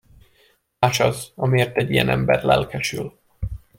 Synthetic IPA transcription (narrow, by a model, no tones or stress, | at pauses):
aːt͡ʃɒzɒmieːrt̪ɛɟːijɛnʔɛmbɛrlɛlkʰɛʃyl